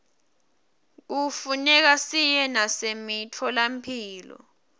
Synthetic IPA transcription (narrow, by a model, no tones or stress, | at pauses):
k̬ufunɛk̬asijɛnasemitʰɔlampʰiːlɔ̰